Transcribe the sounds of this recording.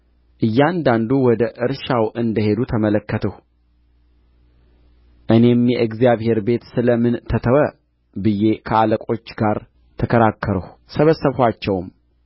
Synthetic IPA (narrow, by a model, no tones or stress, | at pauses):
ʔɨjːand̪and̪uwɔd̪əʔɨɾʃawʔɨnd̪əhe̞d̪ut̪ʰəmələkːət̪ʰəh | ʔɨne̞mjɛʔɨɡzijaβhe̞ɾbe̞t̪sɨləmɨnt̪ʰət̪ʰəwə | bɨjːe̞kʰəaləkʼo̞t͡ʃːɡaɾ | t̪ʰəkʰəɾakʰːəɾəhsəβəsːəβhʷat͡ʃːɛwm